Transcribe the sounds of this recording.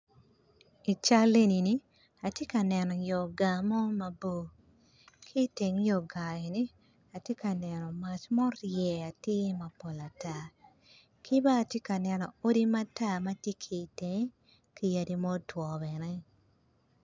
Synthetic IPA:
i˨t͡ʃa˦le˦ni˨ni˦ | a˨tje˦ka˨nɛ˨nɔ˨jɔ˨ɡa˨mɔ˦ma˨bo˦˨ | kʰi˦te˨ŋ˦jɔ˨ɡa˨e˨ni˦ | a˨tje˦ka˨nɛ˨nɔ˨ma˨t͡ʃmɔ˦ɾjɛ˨a˨tɪ˦ma˨po˨la˨ta˦˨ | kʰi˦baː˦˨tje˦ka˨nɛ˨nɔ˨o˦di˦ma˦ta˦˨ma˦tje˦kʰi˨te˨ŋ˦ | ki˨ja˨di˨mɔ˦twɔ˨bɛ˨nɛ˦

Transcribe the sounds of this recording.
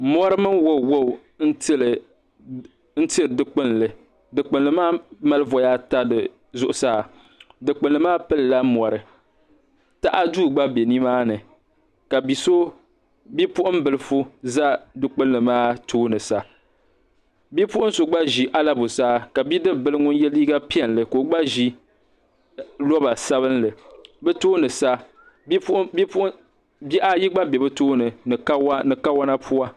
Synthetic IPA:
mɔ˦ɾɨ˦mɨ˦nwo˦˨wo˦˨ | n̩˦tl | n̩˦ti˦ɾɨ˨dɨ˨k͡pɨ˦n˨lɨ˨ | dɨ˨k͡pɨ˨nlɨ˨maː˦ma˦lɨ˦vɔ˨ja˦ta˦dɨ˨ | zʊ˦˨ʔʊ˨saː˦˨ | dɨ˨k͡pɨ˨nlɨ˨˦maː˦pɨ˦lla˦mɔ˨ɾɨ˨ | ta˦ʔa˦duː˦˨ɡ͡ba˦be˨ni˦maː˦nɨ˨ | ka˨bi˨so˦ | bi˦pʊ˦ʔʊ˦m̩˦bɨ˨lɨ˨fu˦za˦dɨ˦k͡pɨ˦lːɨ˨maː˦tʰoː˦nɨ˨sa˨ | bi˦pʊ˦ʔʊ˦n˦so˨ɡ͡ba˦ʒi˨ʔa˦la˦bo˨saː˦ka˨bi˦dɨ˦bɨ˦lɨ˦ŋʊ˦n˦jɛ˦liː˦ɡa˦pi˦ɛ˨n˨lɨ˨ko˨ɡ͡ba˦ʒi˦ | lɔ˦ba˨sa˦βɨ˦nlɨ˨bɨ˦toː˦nɨ˨sa˦ | bi˦ʔa˦ji˦ɡ͡ba˦bɛ˨bɨ˦toː˦nɨ˨˦nɨ˨ka˦wa˦na˦pʰu˦a˦

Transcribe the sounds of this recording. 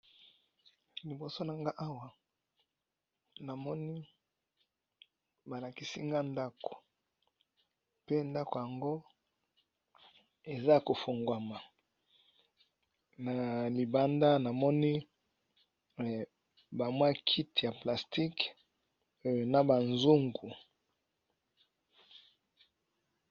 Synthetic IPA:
li˨bo˨so˦na˨ŋɡa˦ʔa˦wa˨ | na˨mɔ˦ni˦ | ba˨la˨ki˨si˦ŋɡa˦nda˦ko̥˨ | pe˦nda˦ko˨ja˨ŋɡo˦ | e˨za˦˨ko˨fo˨ŋɡwa˨ma˨ | na˨li˨ba˦nda˦na˨mɔ˦ni˦ | ba˨mwa˦kʰi˦ti˨ja˨pla˨sti˦k | na˨ba˨nzu˦ŋɡu˨

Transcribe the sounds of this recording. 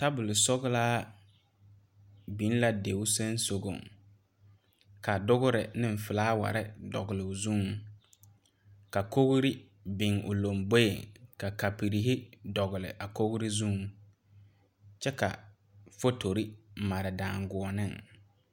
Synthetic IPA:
ta˦bʊ˨lɪ˨sɔ˦ɣʊ˦laː˦ | bi˨˦n˦la˨de˨ʊ˦sa˦n˦so˨ɡo̰˨ŋ | ka˨dʊ˦ɣʊ˦ɾɪ˨nɪ˦ɱ˨fɪ˨laː˦wa̰˨ɾɪ˦dɔ̰˨ɡʊ˨lɪ˨ʊ˨zu˦ŋ | ka˨ko˦ɣʊ˦ɾi˦ | bɪ˨ŋʔʊ̰˨lo˨mbo˦jḛ˨ka˨ka˨pi˨ɾi˨ɦɪ˦dɔ˨ɣʊ˨lɪ̰˨ʔa˨ko˦ɣɾi˦zu˦ŋ | t͡ʃɛ˦ka̰˨ | fo˦to˨ɾi˦˨ma˨ɾɪ˨daː˨ŋɡʊ˨ɔ˨nɪ˦ŋ

